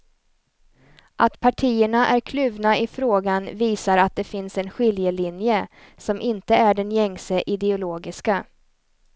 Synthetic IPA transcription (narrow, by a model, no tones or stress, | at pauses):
ʔat̪pʰaʈʰiːəɳaʔæɾkʰlʉːvnaɪfɾoːɡanviːsaɾat̪̚d̪ɛfɪnsɛnɧɪljəlɪnjə | sɔmʔɪnt̪əæɖɛnjɛŋsəʔɪd̪ɛʊloːɡɪska